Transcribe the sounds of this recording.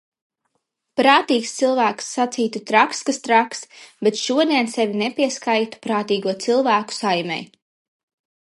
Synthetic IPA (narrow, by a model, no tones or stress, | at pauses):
pɾaːt̪iːkst̪silˠvæːksːat̪siːt̪ut̪ɾakskast̪ɾaksbet̪ʃuɔd̪iɛnsɛvʲinepʲiɛskajt̪u̥pɾaːt̪iːɡuɔt̪silˠvæːku̥sajmʲɛ̰j